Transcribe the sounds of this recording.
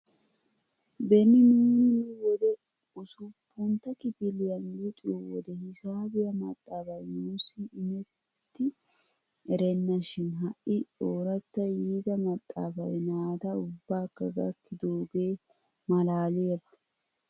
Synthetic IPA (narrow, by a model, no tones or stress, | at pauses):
bɛnːɪniːnɪnʊwɔd̪ɛ | ʊsʊpːʊnt̪ɐkɪbɪlɪjɐnjut̪ʼɪuwɔd̪ɛhɪsaːbɪjɐmɐ̰t̪ʼːaːbɐjnuːsiɪmɛ | t̪ːɪ | ɛɾɛnːɐʃɪnɦɐʔɪoːɾɐt̪ːɐjiːd̪ɐmɐt̪ʼːa̰ːfɐjnaːd̪ɐʊbːaːkːɐɡɐ̰kːɪd̪oːɡeː | mɐlaːlɪjɐbɐ̥